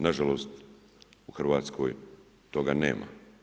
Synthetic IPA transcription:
naʒalost̪ | uxr̩ʋaːt̪skʰoj | t̪o̞ɡane̞̰ːmʔa̰

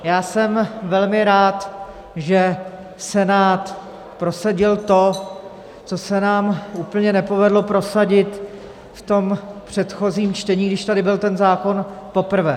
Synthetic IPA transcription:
jaːsɛmvɛlmɪɾaːt̪ | ʒɛ | sɛnaːt̪ | pɾo̞saɟɪlt̪o̞ | t͡so̞sɛnaːmʔuːpl̩ɲɛnɛpo̞vɛdlo̞pɾo̞saɟɪt̪ | ft̪o̞mpr̝̥ɛt̪xo̞ziːmt͡ʃt̪ɛɲiːɡdɪʃt̪adɪbɪlt̪ɛnzaːko̞npo̞pr̩vɛ̰ː

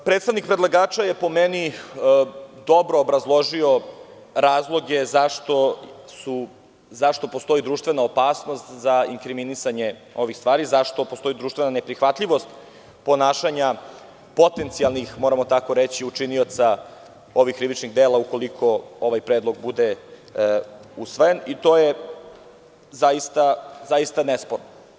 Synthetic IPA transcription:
pɾet̪st̪aʋnik̚pɾed̪lˠaɡaːt͡ʃajepo̞meni | d̪o̞bɾo̞ːbɾazlˠo̞ʒio | ɾaːzlˠo̞ɡezaʃt̪osu | zaʃt̪o̞po̞st̪o̞id̪ɾuːʃt̪ʋe̞naopaːsno̞st̪zaiŋkɾiminisaɲe̞o̞ʋixst̪ʋaːɾizaʃt̪o̞post̪o̞id̪ɾuːʃt̪ʋe̞nanepɾixʋat̪ʎiʋo̞st̪ | po̞naːʃaɲa | po̞t̪e̞nt̪sialˠnixmo̞ːɾamo̞t̪ako̞ɾet͡ɕiut͡ʂiniot̪sa | o̞ʋixkːɾiʋit͡ʃniɣd̪eːlˠauko̞likʰo̞oʋajpɾeːd̪lˠo̞ɡbud̪e | usʋojenit̪o̞ːje | zajist̪azaist̪anespoɾno

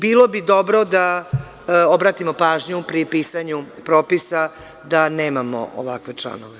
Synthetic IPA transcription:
biːlˠo̞bid̪obɾod̪a | obɾaːt̪imopaːʒɲupɾipiːsaɲupɾoːpisa | d̪aneːmamo̰ʔo̰ʋakʋet͡ʂlˠa̰noʋe

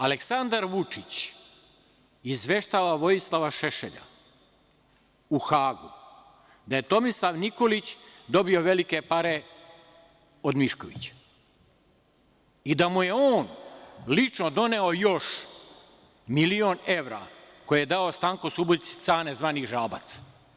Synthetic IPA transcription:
ale̞ksand̪aɾʋut͡ʂit͡ɕ | izʋe̞ʃt̪aːʋaʋojislˠaʋaʃeʃeʎa̰ | uxaːɡu | d̪aje̞t̪o̞mislˠaʋniko̞lit͡ɕd̪o̞bio̞ʋe̞like̞paɾe̞ | o̞d̪miʃkoʋḭt͡ɕḁ | id̪amuje̞oːnlit͡ʂnod̪o̞ne̞o̞jo̞ʃ | milione̞ʋɾa̰ː | ko̞jijed̪aost̪aːŋkosubot̪si̥t̪sanezʋaːniʒaːbat̪s

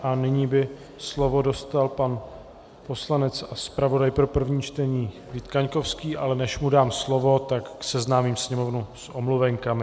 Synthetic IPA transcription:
ʔanɪɲiːbɪ | slo̞vo̞do̞st̪alpan | po̞slanɛt͡saspɾavo̞dajpɾo̞pr̩vɲiːt͡ʃt̪ɛɲiː | vit̪kaɲko̞fskiːʔalɛnɛʃmudaːmslo̞vo̞t̪akːsɛznaːmiːmsɲɛmo̞vnusʔomluvɛŋkamɪ

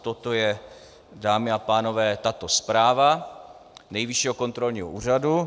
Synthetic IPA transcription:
t̪ot̪o̞jɛ | daːmɪapaːno̞vɛːt̪at̪o̞spɾaːva | nɛjvɪʃiɦoko̞nt̪ɾo̞lɲiːɦoʔuːr̝adu

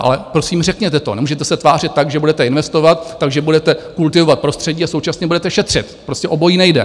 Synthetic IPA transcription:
ʔa̰lɛpɾo̞siːmrɛkɲɛt̪ɛt̪o̞nɛmuːʒɛt̪ɛsɛt̪vaːr̝ɪt̪ːaɡʒɛbudɛt̪ɛɪnvɛst̪o̞vat̪ːaɡʒɛbudɛt̪ɛkult̪ɪvovat̪̚pɾo̞st̪r̥ɛɟiːasowt͡ʃasɲɛbudɛt̪ɛʃɛt̪r̝̥ɪt̪pɾo̞scɛʔo̞bo̞jiːnɛjdɛ̰

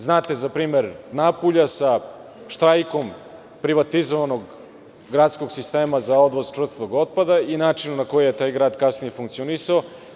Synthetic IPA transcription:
znaːt̪e̞zapɾiːme̞ɾnapuʎasa | ʃt̪ɾajko̞m | pɾiʋat̪izoʋanoɡ | ɡɾaːt̪sko̞ɡsist̪e̞ːmazao̞d̪ʋozt͡ʃvɾr̩st̪voɡo̞t̪̚pad̪ainaːt͡ʂinunako̞jejet̪aːjɡɾaːd̪kasnijefuŋkt̪sionisao

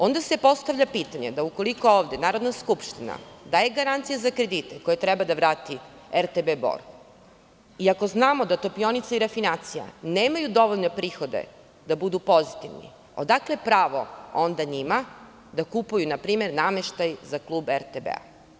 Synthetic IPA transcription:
o̞nd̪ase̞po̞st̪aʋʎapit̪aɲed̪auko̞liko̞oːʋd̪e̞naːɾo̞d̪naskupʃt̪ina̰d̪ajeɡaɾant̪sijezakɾed̪it̪eko̞jet̪ɾɛbad̪aʋɾaːt̪i | eɾt̪ebebo̰ɾ | iako̞znaːmo̞d̪at̪o̞pio̞nit̪saiɾafinat̪sija̰neːmajud̪o̞ʋo̞ʎno̞pɾiːxo̞d̪e̞̰ | d̪abud̪upo̞zit̪iʋnḭ | o̞̰d̪aklepɾaːʋo̞̰ond̪aɲima | d̪akupujunapɾiːme̞ɾname̞ʃt̪ajzaklˠuːbeɾt̪ebḛa̰

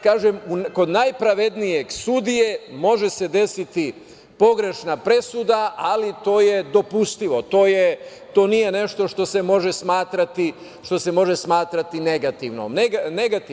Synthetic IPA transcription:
kaːʒemuko̞d̪najpɾaʋe̞d̪nije̞ɡsud̪ije̞mo̞ʒe̞se̞d̪e̞sit̪i | po̞ɡɾe̞ʃnapɾe̞sud̪aʔalit̪o̞ːje̞d̪o̞pust̪iʋo̞t̪o̞ːje | t̪o̞ːnije̞ne̞ʃt̪o̞ʃt̪o̞semo̞ʒesmaːt̪ɾat̪i | ʃt̪o̞se̞mo̞ʒe̞smaːt̪ɾat̪ine̞ɡat̪iʋno̰mneɡaneɡat̪i

